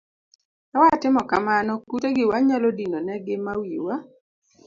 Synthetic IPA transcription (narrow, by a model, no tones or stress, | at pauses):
awatɪmɔkamanɔkuteɡɪwaɲalɔdinɔnɛɡɪmawiwa